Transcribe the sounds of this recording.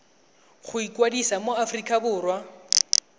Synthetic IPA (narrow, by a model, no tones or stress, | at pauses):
χʊikʼwadisamoafrikʼabʊːrwa